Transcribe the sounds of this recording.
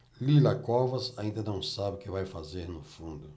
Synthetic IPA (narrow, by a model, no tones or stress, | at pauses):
lilɐkɔvɐzaĩnd̪ɐnɐ̃w̃sabɪʊkɪvajfazeɾnʊfũnd̪ʊ